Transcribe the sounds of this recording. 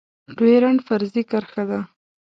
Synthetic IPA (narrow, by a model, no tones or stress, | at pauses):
d̪weɾaɳfaɾzikaɾxad̪a